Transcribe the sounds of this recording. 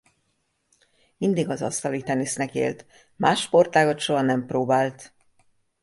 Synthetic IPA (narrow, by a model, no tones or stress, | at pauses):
mind̪iɡɒzɒ̰st̪ɒlit̪ɛnisnɛkḛːlt̪ | maːʃpo̞rt̪aːɡo̞t̪ʃo̞ɦɒnɛmproːbaːlt̪